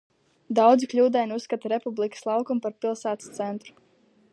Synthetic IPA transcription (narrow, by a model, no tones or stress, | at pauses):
d̪awd̪ziklʲuːd̪ajnusːkat̪aɾepublˠikə̥slˠɑwkumpaɾpilˠsaːt̪st̪sɛnt̪ɾu̥